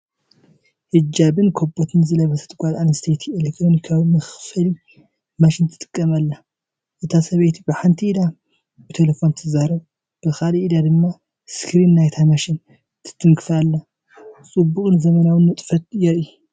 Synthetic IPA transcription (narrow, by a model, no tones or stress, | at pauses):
hɨd͡ʒːabɨnkʰobot̪ʰɨnzɨlɐβɐsʰɐ̥t̪ʰɡʷʼazanst̪ʰet̪ʰielekt̪ʰɾo̞nikʰawimɐxfɐli | maʃint̪ʰɨ̥t̪ʼɨkʼːɐmɐlːa | ʔɨt̪ʰasɐβejt̪ʰibɨħant̪ʰiʔid̪a | bɨt̪ʰelefo̞nt̪ʰɨzaɾɐβ | b̥ɨkalʔid̪ad̪ɨmːa | skɾinːajt̪ʰamaʃin | t̪ʰɨ̥t̪ʰːɨŋkʰɨfalːa | t͡sʼɨbːukʼɨnzɐmɐnawɨnmɨt̪ʼfɐt̪̚jɛɾʔ